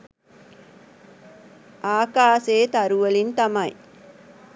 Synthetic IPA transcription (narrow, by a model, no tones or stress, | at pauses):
ʔaːkaːseːt̪ɐɾuʋɐlint̪ɐmɐj